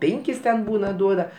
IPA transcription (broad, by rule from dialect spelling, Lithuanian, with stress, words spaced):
ˈpʲeːŋʲkʲɪs tʲɛn ˈbuːnɐ ˈduɔdɐ